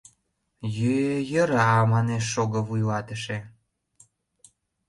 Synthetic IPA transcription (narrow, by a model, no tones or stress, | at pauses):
jøjə̆ɾɑmɑneʃːoɣə̆vujlɑt̪əʃe